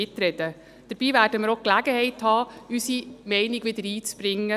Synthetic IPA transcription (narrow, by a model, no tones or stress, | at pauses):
ɪt̪ɾɛd̥ə | d̪̥əɾb̥iːvæːɾd̥əməɾoklæɡəhɛɪthɑːysimɛɪnɪɡʋɪd̪əɾiːt͡sb̥ɾɪŋːə